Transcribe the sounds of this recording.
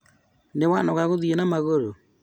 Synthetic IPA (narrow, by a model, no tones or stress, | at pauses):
newanɔɣaɣoðienamaɣoɾo